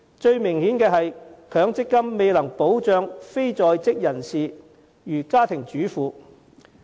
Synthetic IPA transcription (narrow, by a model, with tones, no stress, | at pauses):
t͡ʃɵ˧ɥmɪ˨˩ŋhiː˨˥nkɛː˧ɦɐ˨jkʰœː˨˥ŋt͡sɪ˥kːɐ˥mːe˨˧jlɐ˨˩ŋpo˨˥wt͡ʃœː˨˧ŋfe˥jt͡sɔː˨jt͡sɪ˥k̚jɐ˨˩nsiː˨ | jyː˨˩kaː˥t̪ʰɪ˨˩ŋt͡ʃyː˨˥fuː˨˧